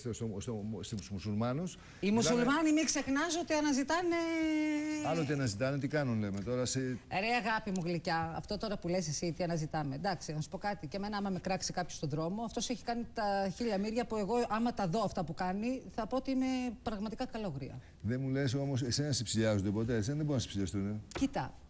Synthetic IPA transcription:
sesost̪ost̪imusulmɐnus | imusulmɐnimiksexnɐzo̞t̪iɐnɐzit̪ɐne̞ | ɐlot̪iɐnɐzit̪ɐnet̪ikɐnunlemet̪o̞ɾɐseeɾeɐɣɐpimuɣlicɐɐft̪ot̪o̞ɾɐpule̞sesit̪iɐnɐzit̪ɐme̞d̪ɐksinɐsu̥po̞kɐt̪iceme̞nɐmɐmekɾɐksikɐpçost̪oðɾo̞mo̞ɐft̪o̞seçi̥kɐnit̪ɐçiʎɐmiɾʝɐpue̞ɣo̞ʔɐmɐt̪ɐðo̞ɐft̪ɐpukɐniθɐpo̞ot̪iime̞pɾɐɣmɐt̪ikɐkɐlo̞ɣɾiɐ̰ | ðemule̞so̞mo̞sesenɐsepsiʎɐzond̪epo̞t̪̬esenðebo̞ɾinɐse̥psiʎɐst̪unecit̪ɐ

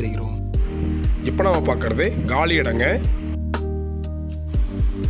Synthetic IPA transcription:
ɪɾɪkɪɾoː | ɪpːɐnaːmɐpaːɾkɪɾɐðɯɡaːɭiɪɽɐŋɡɐ

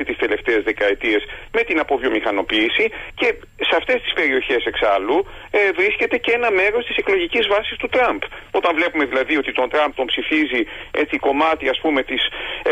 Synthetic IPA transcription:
it̪ist̪e̞le̞ft̪e̞ːzðe̞kɐe̞t̪ie̞sme̞t̪inɐpo̞vʝo̞mixɐno̞piːsice̞ | seɐft̪e̞st̪ispe̞ɾio̞çe̞se̞ksɐlu | vɾisce̞t̪e̞ce̞nɐme̞ɾo̞st̪i̥se̞klo̞ʝicizvɐsist̪ut̪ɾɐmbo̞t̪ɐɱvle̞pume̞ðilɐðio̞t̪it̪o̞nt̪ɾɐmp̚t̪o̞mpsifizie̞t͡siko̞mɐt̪iɐspume̞t̪is

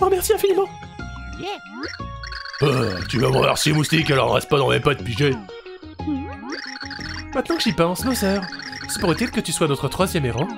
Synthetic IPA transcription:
ʁəmɛʁsiɛ̃finimɑ̃ | at̪yvavwa̰ʁsilemust̪ikalɔʁɑ̰ʁɛ̰st̪̚pad̪ɑ̃mɛpad̪̚piʒɛ | mɛ̃t̪nɑ̃kəʒipɑ̃smosœʁsɛ̥paʁət̪ɛt̪kət̪yswanɔt̪χət̪χwazjɛmeʁɑ̃

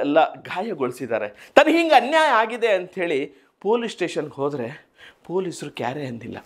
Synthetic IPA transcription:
ɛlːɐɡaːjɐɡoɭsid̪a̰ːɾet̪ɐnːɐɦiŋɡeɐnjaːjɐaːɡid̪e̞ɐnt̪ɦe̞ːɭi | po̞ːlisʈe̞ːʃɐnɡɦoːd̪ɾe̞ | poːlisɾuka̰ːɾeɐnd̪ilːɐ̰

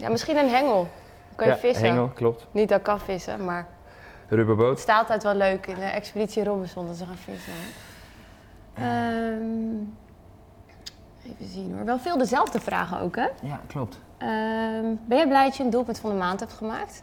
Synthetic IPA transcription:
ja̰mɪsχinənɦɛŋəlˠ | kɑnjəfɪsɦəɛŋəlˠklɔptnit̚dɔkɑnfɪsə̰maːɹ | rybəbotstaːlˠtɛjtʋɛløɥkɪndəʔɛkspoditsirobənsɔndɔtsəχaːnfɪ̰sə | əm | ejvəzinoa̰ɹʋɛlˠfɪːlˠdəzɛlˠvdəfra̰ːχəo̰wkɦɛklp̚t | əmbɛnjɛjblɛjdɑt͡ʃjəəndulˠpɵntfɑndəmaːntɦɛp̚tχəmaːk̚t

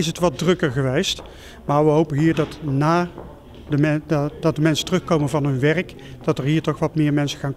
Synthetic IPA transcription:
ɪsətʋɑd̚drɵkəɹɣəʋejst | maːɹʋəɦowpənɦiːɹdɑtnaː | dəmɛdɑt̚dəmɛnsə̥ntərɵxkowmənvɑnɦɵnʋɛrək | d̥ɑtəɹɦiːɹtɔχʋɑtmɪːɹmɛnsəɣaːn

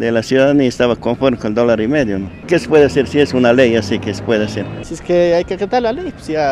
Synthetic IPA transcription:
d̪elasjuðaðaniaest̪aβakoɱfoɾmekoneld̪olaɾimeðjonokese̥pweðeaseɾsiesunalejasikese̥pweðeaseɾseskeajkeket̪aɾlalejsia

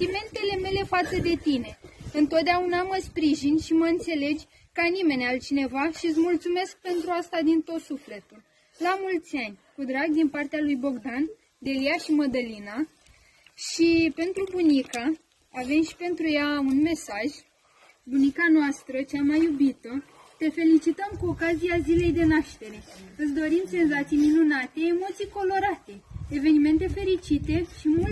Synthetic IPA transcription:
t̪ime̞nt̪e̞le̞me̞le̞fat̪səd̪e̞t̪ine̞ɨnt̪ot̪̚d̪eaunaməspɾiʒinʲʃiməɨnt̪se̞le̞d͡ʒʲ | kəanime̞nʲalt͡ʃine̞vaʃiɨt̪s̬ʲmult̪sume̞sk̚pe̞nt̪ɾuast̪ad̪int̪o̞t̪sufle̞t̪ul | lamult̪sʲanʲkud̪ɾaɡd̪inpart̪ealujbo̞ɡd̪an | d̪e̞lijaʃiməd̪əlina | ʃipe̞nt̪ɾubunika | ave̞mʃi̥pe̞nt̪ɾujaunme̞saʒ | bunikanoast̪ɾət͡ʃamajːubit̪ə | t̪e̞fe̞lit͡ʃit̪əmkuo̞kazijazile̞jd̪e̞naʃt̪e̞ɾe̞ɨsd̪o̞ɾimse̞nzat̪sijminunat̪e̞ːmo̞t̪sijko̞lo̞ɾat̪e̞eve̞nime̞nt̪e̞fe̞ɾit͡ʃit̪e̞ʃimul

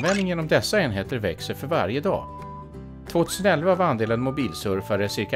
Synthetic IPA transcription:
vɛnd̪ɪŋjeːnɔmd̪ɛsːaeːnɦeːt̪əɾvɛksəfœɾva̰ɾjəd̪ɑ̰ː | t̪ʰvoːt̪ʰʉ̟ːsənɛlvaːvand̪eːlənmʊbiːlsɵɾfaɾəsɪɾka

